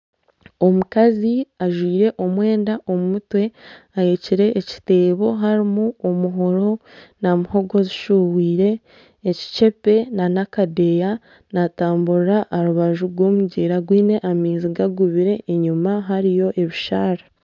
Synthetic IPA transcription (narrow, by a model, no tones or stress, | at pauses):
o̞mukaziaʒwiːɾe̞ʔo̞mwe̞ːndaʔo̞mumutwe̞ | ajeciɾe̞ʔːci̥te̞ːβo̞ɦaɾimuomuɦo̞ɾo̞namuho̞ɡo̞ziʃuwiːɾe̞ː | ci̥t͡ʃe̞pe̞nanakade̞ja | nataːmbuɾaʔːɾuβaʒuɾɡwo̞ːmuɟeːɾaɡwiːne̞ʔamiːnziɡaɡuβiɾe̞ʔːɲumaɦaɾijo̞ʔe̞βiʃaːɾa